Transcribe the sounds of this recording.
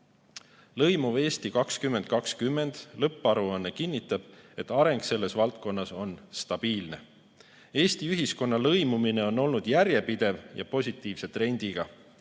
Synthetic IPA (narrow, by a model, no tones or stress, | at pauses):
lɤ̞jmuve̞ːst̪ikɑkskymːe̞nd̪̥̚kɑkskymːe̞nd̪̥lɤpːˑɑɾuɑnːekinʲːit̪ːˑɑb̥e̞t̪ːˑɑɾe̞ŋɡse̞lːe̞svɑlt̪̚ko̞nːɑso̞nst̪ɑb̥iːlne̞̰ | e̞ːst̪iyɦisko̞nːɑlɤjmumine̞o̞nːo̞lnud̪̥jæɾje̞pid̪̥e̞vjɑ̰po̞sʲit̪ːˑiːvse̞t̪re̞nʲd̪̥iɡ̥ɑ